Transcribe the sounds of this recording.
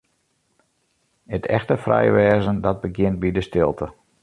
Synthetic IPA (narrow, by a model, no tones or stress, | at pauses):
ətʰɛ̰xtəfrɛ̰jʋɛːzəndɔd̚bəɡjɪnt̚bidəstɪlˠtʰə